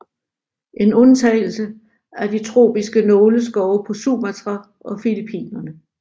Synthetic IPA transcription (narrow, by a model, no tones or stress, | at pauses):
ʔe̝nɔ̽nt͡sʰɛɪl̩sə | æɐdit͡sʰʁo̝̰ːb̥isɡ̥ənɔːləsɡ̥ɒʊpʰɒ̽suːmæt͡sʰʁɑ | ʔɒ̽filipʰḭːnɐnə